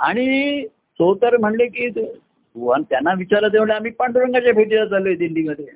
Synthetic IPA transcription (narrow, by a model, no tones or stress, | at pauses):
a̰ɽ̃i | sot̪əɾm̤əɳlekiːt̪u | uʋant̪janːaʋit͡ɕaɾət̪eʋɳleam̤iːpəɳɖɾəŋɡat͡ɕjapʰeʈiɾad͡zalod̪ilːiːməd̪ʱːje